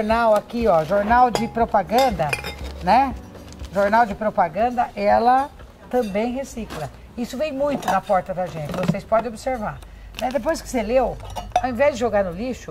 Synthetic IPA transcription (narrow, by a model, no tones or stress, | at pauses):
ɾnawakiɔʒoɾnawd͡ʒɪpɾopaɡɐ̃d̪ɐnɛ | ʒoɾnawd͡ʒɪpɾopaɡɐ̃nd̪ɐʔɛlɐ | t̪ɐ̃bẽj̃ɦesiklɐ | isʊvẽj̃mũj̃t̪ʊnɐpɔɾt̪ɐd̪ɐʒẽnt͡ʃɪvosejspɔd̪ẽobɪseɾvaɾ | nɛd̪ep̬ojskɪ̥selewawẽvɛzd͡ʒɪʒoɡaɾnʊliʃʊ